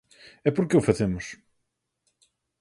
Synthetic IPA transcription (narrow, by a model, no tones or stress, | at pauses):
ɛpuɾkeufɐzemʊʃ